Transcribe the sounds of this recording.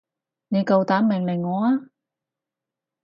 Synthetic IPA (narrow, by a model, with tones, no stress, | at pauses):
ne˨˧jkɐ˨wt̪aː˨˥mɪ˨˩ŋlɪ˨˩ŋːɔː˨˧aː˥